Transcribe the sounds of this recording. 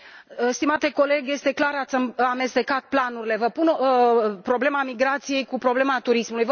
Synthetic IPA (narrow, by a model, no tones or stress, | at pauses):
st̪imat̪e̞ko̞le̞ɡje̞st̪e̞klaɾat̪sʲame̞st̪e̞kat̪̚planuɾile̞vəpun | pɾo̞ble̞mamiɡɾat̪sije̞jkupɾo̞ble̞mat̪uɾismulujvə